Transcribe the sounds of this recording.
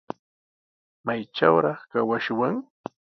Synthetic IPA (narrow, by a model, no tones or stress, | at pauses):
majʈ͡ʂa̰wɾɑχkawaʃwaŋ